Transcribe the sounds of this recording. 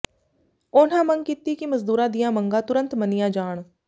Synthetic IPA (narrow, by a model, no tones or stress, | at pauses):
ʊnãːməŋɡ̚kit̪iːkiməzd̪uːɾãːd̪ɪjãːməŋɡãːt̪ʊɾə̃nt̪mənɪjãːd͡ʒaːɳ̃